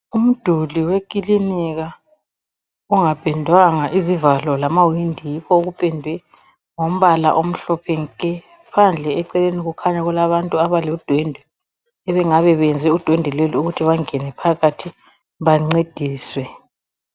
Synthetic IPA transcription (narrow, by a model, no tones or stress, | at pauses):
um̩d̥ʱuliwekʼiliniɣa | uŋab̥ʱɛndʱwaŋaʔizivalɔlamawindʱijikʰɔoɣupʼɛndʱwɛ | ŋom̩βala̰ʔom̩ɬɔpʰɛŋ̩kʼɛ | pʰand͡ɮʱɛɛǀɛleniɣukʰaɲaɣulaβantʼuaβalod̥ʱwɛndʱwɛ | ɛβɛŋaβɛβɛnd͡zʱɛud̥ʱwɛndʱɛleliuɣutʰiβaŋɛnɛpʰaɣatʰi | βaŋ͡ǀed̥ʱiːswɛ